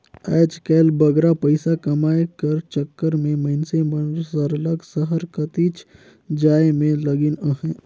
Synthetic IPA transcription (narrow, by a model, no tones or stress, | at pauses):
ɛːt͡ʃkɛːlbəɡɾapəɪsakɐmaːekəɾt͡ʃəkːəɾmẽməɪnsemənsəɾləɡsəɦəɾkət̪iːt͡ʃ | d͡ʒaːemẽləɡɪnəɦɛ̃ː